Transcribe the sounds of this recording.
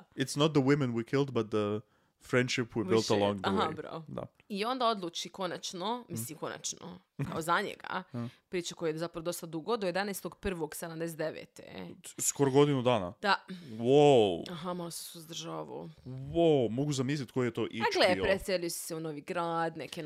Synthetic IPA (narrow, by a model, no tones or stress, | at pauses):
ɪt̪snot̪̚d̪ðəwɪmɛ̃nwikʰɪlˠd̪bat̪̚ðə | fɾɛ̃nd̪ʃɪpwibilˠt̪əlˠɔ̃ŋɡaɦabɾa̰od̪a̰ | io̞nd̪ao̞d̪lˠuːt͡ʃiko̞nat͡ʃnomislimko̞na̰t͡ʃno̰ | ka̰ozaɲḛɡa̰pɾiːt͡ʃako̞jajezapɾaɐʋod̪o̞st̪ad̪uɡod̪ojed̪anest̪oɡpr̩ʋoɡsed̪amd̪eset̪eʋḛt̪ḛskoɾoɡod̪ɪnud̪aːna̰d̪awoaɦamalosesuzd̪r̩ʒaːʋo̰womoɡuzamislit̪kojijɛt̪oʔiɡlepɾeseʎujesseunoːʋiɡɾaːd̪neken